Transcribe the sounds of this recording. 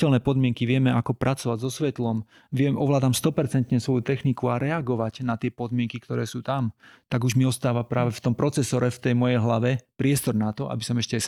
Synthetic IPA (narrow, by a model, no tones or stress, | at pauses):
ɛlnɛːpɔd̪mɪɛŋkiʋɪɛmɛakɔpɾʔat͡sɔʋaɟzɔsʋɛt̪lɔm | ʋɪɛmʔɔʋlaːd̪amst̪ɔpɛɾt͡sɛnt̪ɲɛsʋɔjut̪ɛxnikuaɾɛaɡɔʋaɟnat̪ɪɛpɔd̪mɪɛŋkikt̪ɔɾɛːsuːt̪amt̪aɡuʒmiɔst̪aːʋapɾaːʋɛft̪ɔmpɾɔt͡sɛsɔɾɛft̪ɛjmɔjɛjɦlaʋɛpɾɪɛst̪ɔɾnat̪ɔʔa̰bisɔmɛʃcɛ